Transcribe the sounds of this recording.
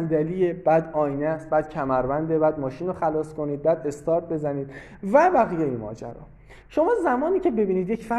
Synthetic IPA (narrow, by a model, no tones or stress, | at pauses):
nd̪ælijeb̥æːd̪ɒːjnæst̪bæːd̪̥cʰæmæɾbænd̪ebæːd̪mɒːʃiːnoxælɒːskʰo̞niːd̪̚bæːd̪e̞st̪ʰɒːɾt̪̚ʰbe̞zæniːd̪̥ | væbæɣijejemɒ̰ːd͡ʒæ̰ɾɒ̰ | ʃo̞mɒːzæmɒːniːcʰe̞be̞biːniːd̪jecfæ